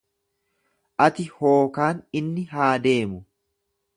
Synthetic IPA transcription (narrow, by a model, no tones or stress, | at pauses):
ʔɐt̪ɪho̞ːkaːnɪnːɪɦaːd̪e̞ːmʊ